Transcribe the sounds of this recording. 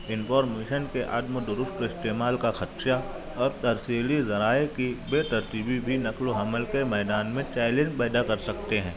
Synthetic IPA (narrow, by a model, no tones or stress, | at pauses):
ɪnfʰɔːɾmeːʃənkeʔɐd̪məd̪ʊɾʊst̪ɪst̪eːmaːlkaxɐt̪ʃja | ɔːɾt̪ɐɾsiːlizɐɾaːekibeːt̪ɐɾt̪ibibʱinɐkloɦɐməlkemɛːd̪aːnmẽt͡ʃaːɪlẽːd͡ʒpɛːd̪akɐɾsɐk̚t̪eɦɛ̃ː